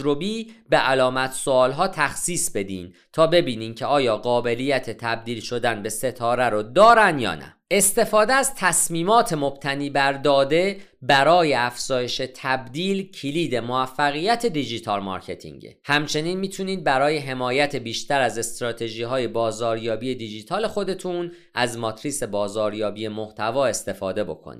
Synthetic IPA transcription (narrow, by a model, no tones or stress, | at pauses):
ɾobiːbeʔælɒːmæt̪ʰsoɒːlɦɒːt̪ʰæxsiːsbe̞d̪iːn | t̪ʰɒːbe̞biːniːncʰe̞ɒːjɒːɢɒːbe̞lijæt̪ʰe̞t̪ʰæb̚d̪iːlʃo̞d̪ænbe̞se̞t̪ʰɒːɾæɾod̪ɒːɾænd̪jɒ̰ːnæ̰ | e̞st̪e̞fɒːd̪eæzt̪ʰæsmiːmɒːt̪ʰe̞mob̥̚t̪ʰæniːbæɾd̪ɒːd̪e̞ | bæɾɒːje̞æfz̥ɒːje̞ʃe̞t̪ʰæbd̪iːlcʰiliːd̪e̞moæfːæɣijæt̪ʰe̞d̪id͡ʒit̪ʰɒːlmɒ̰ɾcʰe̞t̪ʰḭŋɟḛhæmt͡ʃʰe̞niːnmiːt̪ʰuniːd̪̚bæɾɒːje̞ɦe̞mɒːjæt̪ʰe̞biːʃt̪ʰæɾæze̞st̪ɾɒːt̪ʰe̞ʒiːɦɒːje̞bɒːzɒːɾjɒːbije̞d̪id͡ʒiːt̪ʰɒːle̞xo̞d̪e̞t̪ʰun | ʔæzmɒt̪ʰɾise̞bɒːzɒːɾjɒːbije̞mo̞ht̪ʰævɒːe̞st̪e̞fɒːd̪e̞bo̞̰kʰo̰nḭd̪